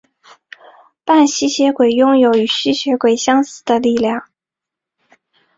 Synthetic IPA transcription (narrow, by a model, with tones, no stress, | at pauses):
pa˥˩nɕi˥˩ɕjɛ˧˥kwe˨˩ɪjʊ˥ŋjo˨˧˥ʊy˨˩ɕi˥˩ɕɥɛ˧˥kwe˨˩ɪɕjɑ˥ŋsɹ̩˥˩d̪ə˦li˥˧ljɑ˥˩ŋ